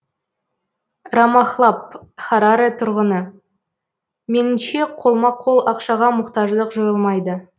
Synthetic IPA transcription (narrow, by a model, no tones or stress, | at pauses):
rɑmɑχlˠɑp̚χɑɾaɾet̪ʰʊɾʁənə | me̞nɪmʃe̞qʰo̞lˠmɑqʰːolˠɑqʃɑʁɑmʊqt̪ɑʒlˠəqʒojəlˠmɑjd̪ə